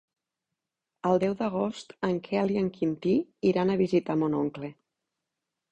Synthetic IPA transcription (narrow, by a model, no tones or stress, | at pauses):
əlˠd̪ɛwðəɣ̞ost̪əŋkʰɛaliəŋkʰint̪iiɾanəβizit̪amonoŋkle